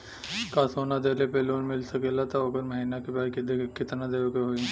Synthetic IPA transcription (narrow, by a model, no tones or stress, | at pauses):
kasoːnad̪eːlepeloːnmɪlsɐkelat̪ʰoɐɡəɾmɐɦiːnakebaːɾked̪ekkːɪt̪nad̪eːʋokeɦoi